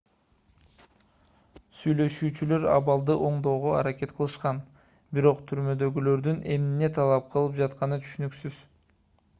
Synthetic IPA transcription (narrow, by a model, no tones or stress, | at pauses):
syjlø̞ʃyːt͡ʃylø̞ɾɑ̰βɑlˠd̪ɯʔo̞ɴd̪o̞ːʁo̞ɑ̰ɾake̞t̪qʰəlˠɯʃqɑn | biɾo̞qt̪ʰyɾmø̞d̪ø̞ɡylø̞ɾd̪ynʔe̞̰mnine̞t̪ʰɑlˠɑp̚qʰɯlˠɯp̚d͡ʒɑt̪qɑnɯt̪ʰy̥ʃynyksyz̥